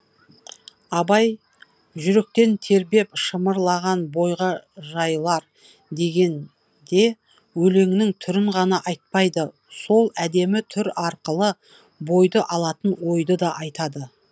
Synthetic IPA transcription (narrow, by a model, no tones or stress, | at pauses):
ɑbɑj | ʒʏɾe̞k̚t̪e̞nt̪ʰe̞ɾbe̞pʃəməɾlˠɑʁɑnbo̞jʁɑʒɑjlˠɑɾ | d̪e̞ɡʲe̞n | d̪e̞ | wɵle̞ŋɪnɪŋt̪ʰʏɾɪɴʁɑnɑʔɑjt̪̚pɑjd̪ə | so̞lˠæd̪e̞mɪt̪ʰʏɾɑɾqəlˠə | bo̞jd̪əʔɑlˠɑt̪ənwo̞jd̪əd̪ɑʔɑjt̪ɑd̪ə